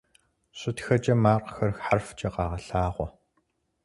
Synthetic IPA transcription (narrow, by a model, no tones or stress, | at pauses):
ɕʷʼɪtxɐt͡ʃʼɐmaːqxɐrxħarft͡ʃʼɐqɑːʁɐɬaːʁʷɔ